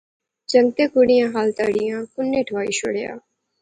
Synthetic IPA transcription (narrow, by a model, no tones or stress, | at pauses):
d͡ʒə̃ŋɡ̚t̪eːkʊɽɪjãːɦaːlt̪aːɽɪjãːkʊnːeːʈʰʋaːḭːʃo̰ɽja̰ː